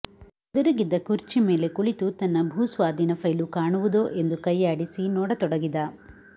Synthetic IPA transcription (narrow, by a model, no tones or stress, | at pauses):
ɐd̪ɐɾuɡid̪ːɐkuɾt͡ʃime̞ːle̞kuɭit̪ut̪ɐnːɐbʱuːsʋaːd̪ʱinɐpʰɐjlukaːɳuʋud̪oːʔe̞nd̪ukɐjaːɽisinɔːɽɐt̪ɔɽɐɡid̪a